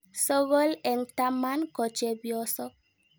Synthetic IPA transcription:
so˦ɣo˦lɛ˨nta˦ma˦nkɔ˨t͡ʃɛ˨bjɔ˦sɔ˦k̚

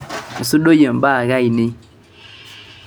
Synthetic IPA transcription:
n̩˨su˦ɗo˦jə˨m˨ba˦˨ɣa˦i˨ni˦

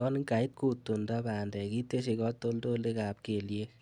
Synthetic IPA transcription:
ɔ˦ni˦ŋka˨i˦t̚ku˨tːu˨ndɔ˦baː˨ndɛ˨ki˦tːe˦ʃ̬i˨kɔ˦tːo˦ldo˦le˦ka˨p̚ke˨lje˦k

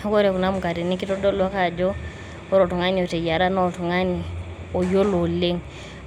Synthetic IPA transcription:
kɔ˦ɾɛ˨ku˨na˦mu˨ka˨ɾi˨ni˦ki˦tɔ˦dɔ˦lwa˦ka˨d͡ʒɔ˦ | ɔ˦ɾɔ˨tu˨ŋa˦ni˨ɔ˨te˨ja˨ɾa˦nɔ˦˨tu˨ŋa˦ni˨ | ɔ˨jɔ˦lɔ˨le˦ŋ

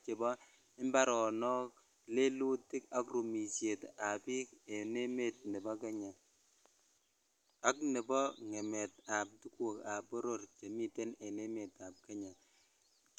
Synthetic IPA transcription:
t͡ʃe˨bɔ˦ | ɪ˦mba˦ɾɔ˨nɔ˦k̚ | le˦lu˦tɪ˦ka˦kru˨mi˨sje˨ta˨pi˦ke˨ne˦me˨t̚nɛ˨bɔ˦ke˦ɲa˨ | a˦knɛ˨bɔ˦ŋɛ˨mɛ˨ta˨p̚tu˦ku˨ka˨pɔ˦ɾo˨rt͡ʃe˨mi˨te˦ne˨ne˦me˨ta˨p̚kɛ˦ɲa˨

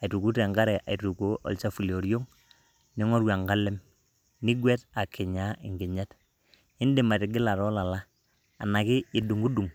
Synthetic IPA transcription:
a˨i˨tu˨ku˦ta˨ŋɡa˦ɾɛ˨ʔa̰˨i˨tu˨ko˦ʔɔ̰˨lt͡ʃa˦fu˨lo˨ɾjo˦ŋ | nɪ˦ŋɔ˦ɾwa˨ŋɡa˦lɪ˦m | nɪ˦ɡwɛ˦ta˨kʰɪ˨ɲa˨˦ɪ̰˨ŋɡɪ˨ɲa˦t | ɪ˦ndɪ˦˨ma˨tɪ˨ɡɪ˦la˨ɾɔ˦la˨laː˦˨ | na˨kɪ˦ɪ˨du˨ŋɡu˦du˨ŋ

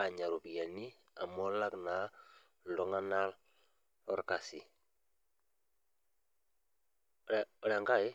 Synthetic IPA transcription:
a˨ɲa˨ɾu˨bija˨ni˦ | a̰˨mɔ˦la˦kna˨ | lɔ˨ŋa˦na˦l | ɔ˦ɾka˨si˨ | ɔ˨la˨ŋɡa˦e˦

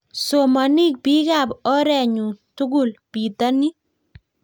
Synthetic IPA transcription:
so˨ma˨ni˦k̚bi˦ɡa˦˨bɔ˦ɾɛ˦˨ɲu˨tu˦ɡu˦˨lpi˨t̪a˦ni˦

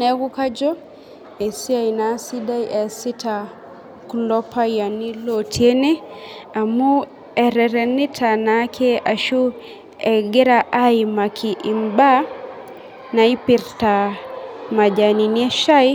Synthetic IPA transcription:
nɛ˦ɡu˦ka˦d͡ʒɔ˦ | e˨si˦a˦i˨na˨˦si˦da˦jʔɛ˨sɪ˦tʰa˨ | kulɔ˦pa˦ja˨ni˦lo˨tʰje˦ne˦a˨mu˦ | ɛ˨ɾɛ˨ɾɛ˨ni˦tʰa˨na˦kʰe˦ʔa˨ʃu˦ | ɛ˨ɡe˦ɾa˨ʔa˦jma˨kʰi˨ʔi˨mba˦ | na˨i˦pɪ˨ɾta˨ | ma˨d͡ʒa˨ni˨niɛ˦ʃa˦i

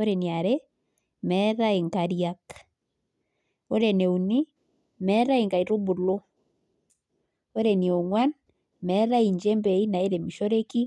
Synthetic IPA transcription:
oɾeni˨a˨ɾe | mɛða˦e˨ŋkaɾjak | o˦ɾe˨ne˨u˨ni˦ | mɛ˦ɾa˦iŋɡa˨i˨ɾo˦bu˨lo˦ | o˦ɾeni˨o˨ŋwa˦n | mɛ˦ɾa˦i˨ɲd͡ʒe˦mbɛ˨i˦na˨e˦ɾe˨mi˨ʃo˦ɾe˦ki˦

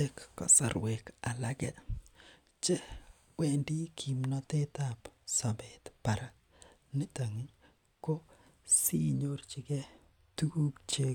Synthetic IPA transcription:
e˦kːɔ̰˦sa̰˨ɾwe˨ka˨la˦ɡɛ˦ | t͡ʃe˦ | wɛ˦˨ndi˦kʰi˨mnɔ˦te˦ta˦˨psa˨be˨tpa˨ɾa˦ | nɪ˦ta˨ŋi˦ɲ | ko˦ | si˦ɲo˦rt͡ʃi˨kɛ˦ | tu˦ku˦kt͡ʃe˦

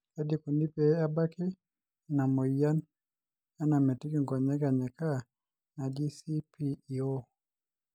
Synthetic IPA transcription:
a˦di˦ku˨ni˦pɛ˨a˦ba˦kɛ˦ | na˨mɔ˨i˨˦ja˦n | a˦na˨mɛ˨ti˦ki˦ŋɡɔ˨ɲɛ˦ka˨ɲɛ˨ka˦˨ | na˨di˦si˦pi˦i˨ɔ˦

